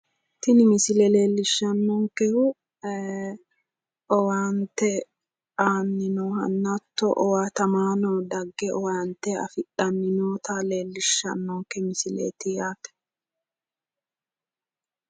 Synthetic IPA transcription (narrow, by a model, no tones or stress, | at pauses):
t̪ɪnɪmɪsɪlɛle̞ːlːɪʃːɐnːɔŋkɛhʊ | ɔwaːnt̪ɛ | aːnːɪnɔːhɐ̰nːɐt̪ːɔʔɔwaːt̪ɐmaːnɔd̪ɐɡːɛʔɔwaːnt̪ːɛɐ̰fɪᶑɐnːɪnoːt̪ʰɐle̞ːlːɪʃːɐ̰nːɔŋkɛmɪsɪlḛːt̪ɪjaːt̪ɛ̥